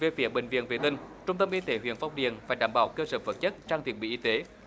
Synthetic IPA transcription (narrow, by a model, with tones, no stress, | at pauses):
ve˨˩fi˨˧˦əɓï˨˩ŋvḭ˧˨ənve˨˩t̪ï˧˩ŋ̟t͡ɕʊ˧ŋ͡mt̪ə˧mʔi˧t̪e˨˦ɦwḭ˧˨ənfɔ˧wŋ͡mɗḭ˨ənfaː˧˩jɗaː˧˩mɓa̰ː˧˩wkəː˧səː˧˩və˨˩t̚t͡ɕə˦˥t̚t͡ɕaː˧ŋt̪ʰḭ˨˩ənɓḭ˧˨ʔi˧t̪e˨˦